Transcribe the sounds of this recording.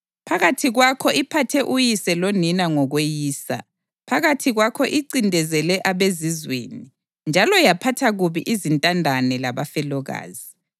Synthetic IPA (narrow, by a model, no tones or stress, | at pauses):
pʰaɣatʰiɣwakʰɔʔipʰatʰɛʔujisɛloninaŋɔɣwejiːsa̰ | pʰaɣatʰiɣwakʰɔʔiǀindʱɛzɛlɛʔaβezizwḛni | nd͡ʒʱalɔjapʰatʰaɣuβiʔizintʼandʱanɛlaβafɛlɔɣa̰ːzi